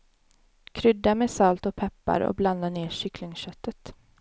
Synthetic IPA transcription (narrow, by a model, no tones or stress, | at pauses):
kʰɾʏd̪ːameːsalt̪ɔpʰɛpːa̰ɾɔ̰bland̪aneːʂʏklɪŋɕœt̪ːət̪